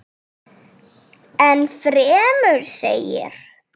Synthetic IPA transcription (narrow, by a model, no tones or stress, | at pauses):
ɛnfɾɛːmʏɾsḛjɪ̰ɾ̥